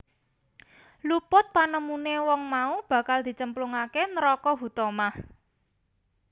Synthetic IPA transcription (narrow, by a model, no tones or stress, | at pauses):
lupʊt̪̚panəmunewɔŋmaub̥ä̤kald̪̥i̤t͡ʃəmpluŋakenɾɔkɔɦut̪ɔmah